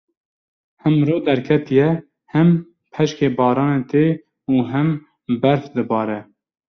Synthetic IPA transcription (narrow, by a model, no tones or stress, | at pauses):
hɛmɾoːd̪ɛɾkʰɛt̪ijɛ | hɛm | pʰɛʃkeːbɑːɾɑːnent̪eː | uɦɛm | bɛɾfd̪ɨbɑːɾɛ